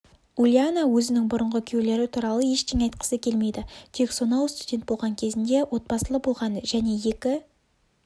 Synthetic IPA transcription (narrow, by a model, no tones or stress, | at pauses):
ulʲjanawɵzɪnɪŋbʊɾəɴʁəkʲʰele̞ɾɪt̪ʰuɾɑlˠəe̞ʃt̪ʰeŋɑjt̪̚qə̥səkʲʰe̞lme̞jd̪ɪt̪ʰe̞kso̞nɑwst̪udʲe̞nt̪̚bo̞lˠʁɑŋkʲʰe̞zɪnd̪e̞wo̞t̪̚bɑsəlˠəbo̞lˠʁɑnʒæne̞je̞kʲɪ